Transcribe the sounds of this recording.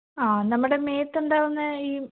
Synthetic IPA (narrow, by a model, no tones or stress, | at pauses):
aːnɐmːuɽe̞meːt̪ːuɳɖaːɾunːɨiː